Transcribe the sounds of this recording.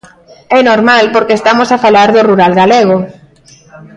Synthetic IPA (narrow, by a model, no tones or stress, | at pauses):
ɛnoɾmalpoɾkeːst̪amosafalaɾðʊruɾalɣaleɣ̞o